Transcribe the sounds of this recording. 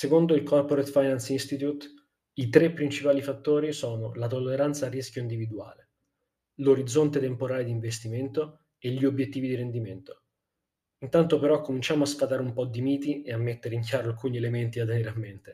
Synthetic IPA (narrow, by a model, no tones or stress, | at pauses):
sekond̪oilkɔrpoɾet̪fajnansinst̪it̪ut̪ | it̪ɾepːɾint͡ʃipaːlifat̪ːoːɾisɔːno̰lat̪olːeɾant̪sarːiskʲjoind̪ivid̪ua̰ːle | loɾid̪zːont̪et̪empoɾaːled̪iɱvest̪iment̪o | eʎːiobjet̪ːiːvid̪iɾend̪iment̪o̥ | int̪ant̪opeɾɔkːomint͡ʃaːmoaspat̪aːɾeumpɔd̪ːimiːt̪ieamːet̪ːeɾeiŋkjaːɾoalkuːnielement̪iat̪ːeneːɾeamːent̪e